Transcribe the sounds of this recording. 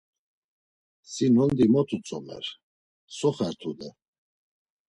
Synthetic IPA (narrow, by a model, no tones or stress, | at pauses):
sinɔnd̪imɔt̪ʰut͡sʼɔmɛ̰ɾ | sɔχɛɾt̪ʰud̪ɛ